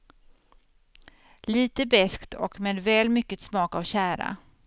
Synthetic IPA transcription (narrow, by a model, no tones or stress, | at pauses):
liːt̪əbɛskt̪ʰɔ̰kmɛd̪vɛːlmʏkːət̪smɑːkavɕæːɾa̰